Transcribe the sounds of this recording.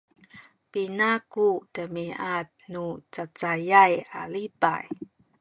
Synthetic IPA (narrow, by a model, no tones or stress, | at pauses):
pinakutəmiat̚nut͡sat͡sajajalipa̰j